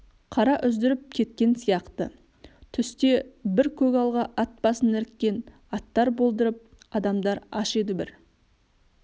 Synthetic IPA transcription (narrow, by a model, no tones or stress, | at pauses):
qʰɑɾɑʔʏzd̪ɪɾɪp̚kʲʰe̞t̪kʲe̞nsijɑqt̪ə | t̪ʰʏst̪e̞bɪɾkʲʰɵkɑlˠʁɑʔɑt̪̚bɑsənɪɾkʲːe̞n | ɑt̪ːɑɾbo̞lˠd̪əɾəp̚ | ɑd̪ɑmd̪ɑɾɑʃe̞d̪ɪbɪɾ